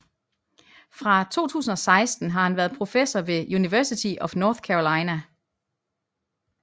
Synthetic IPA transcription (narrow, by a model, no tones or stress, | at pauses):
fʁɑ̈t͡sʰo̝̰ːt͡sʰṵːsn̩ɒ̽sɑ̈ɪsd̥n̩ɦɑ̈hænʋæːɐðˠpʰʁo̝fesɒʋe̝juniʋæɐsit͡sʰiʔɒ̽fnɒːθkʰæʁolɑ̈ɪnæ